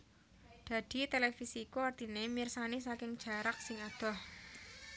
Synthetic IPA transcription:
d̪̥a̤d̪̥i̤t̪elefisiːkuart̪inemirsanisakɪŋd̥ʒ̥a̤ɾak̚sɪŋad̪̥ɔ̤h

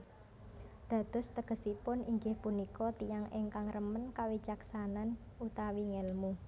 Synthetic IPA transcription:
d̪̥a̤d̪̥ʊ̤st̪əɡ̥ə̤sipʊniŋɡɪhpunikɔt̪ijaŋʔeŋkaŋrəmənkawit͡ʃaksanan | ut̪awiŋɛlmu

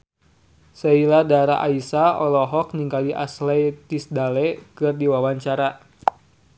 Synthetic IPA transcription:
sailadaɾaʔaisaɔlɔɦɔk̚niŋkaliʔa̰slɛt̪isdalɛkɨrdiwawaɲt͡ʃaɾa

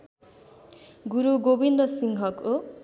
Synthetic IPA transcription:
ɡuɾuɡobind̪ʌsiŋɦʌko

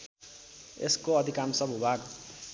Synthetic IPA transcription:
ḛskoʌd̪ʱikamsʌbʱibʱaɡ

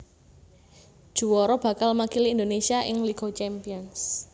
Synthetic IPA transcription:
d̥ʒ̥uwɔɾɔb̥ä̤kalmakiliːnd̪onesiaʔɪ̰ŋliɡot͡ʃɛmpiɔns

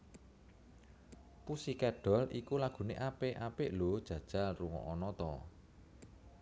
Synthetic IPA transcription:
pusikɛɖ̥ɔ̤likulaɡ̥ṳneʔapeʔapeʔlod̥ʒ̥ä̤d̥ʒ̥a̤lruŋɔ̰ʔɔnɔt̪ɔ

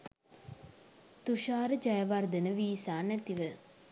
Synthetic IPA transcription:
t̪uʃaːɾəd͡ʒajɐʋard̪ənəʋiːsaːnæt̪iʋə

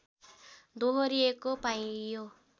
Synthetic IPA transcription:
d̪oɦɔɾiekopajjo

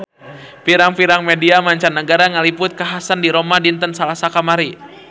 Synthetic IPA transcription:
piɾaŋpiɾaŋmɛdiamaɲt͡ʃanːəɡaɾaŋalipʊt̪̚kaɦasandiɾomadint̪ənsalasakamaɾi

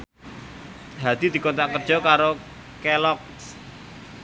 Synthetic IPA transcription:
ɦad̪̥i̤d̪̥i̤kɔnt̪akərd̥ʒ̥ɔ̤kaɾo | kelɔk | s

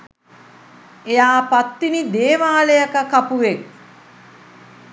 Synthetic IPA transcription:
ejaːpat̪ːinid̪eːʋaːləjakəkapuʋek̚

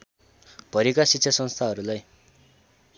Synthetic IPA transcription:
b̥ʱʌɾikasitːsʰʌsʌnst̪ʰaɦʌɾulaj

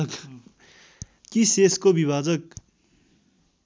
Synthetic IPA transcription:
k | kiseskobiβaːd͡zʌk̚

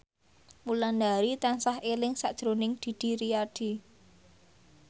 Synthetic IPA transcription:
mulandaɾit̪ansahelɪŋsaʔd̥ʒ̥ɾonɪŋd̪̥i̤d̪̥i̤ɾiaɖ̥i̤

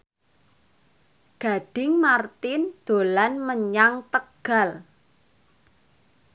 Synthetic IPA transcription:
ɡ̥a̤ɖ̥ɪŋmart̪ɪnd̪̥o̤lanməɲaŋt̪əɡ̥a̤l

